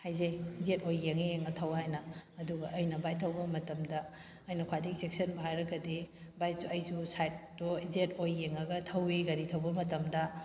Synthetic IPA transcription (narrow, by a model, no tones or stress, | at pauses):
hajzejzetojɡeŋieŋɐtʰɐwhajnɐːduɡɐʔɐjnɐbajtʰɐwbɐmɐtɐmdɐː | jnɐkʰwadiɡisek̚sɐnbɐɦajɾɐɡɐdibajsuɐjzusajt̚ːozetojɡeŋɐɡɐtʰɐwiɡɐɾitʰɐwbɐmɐtɐmdɐ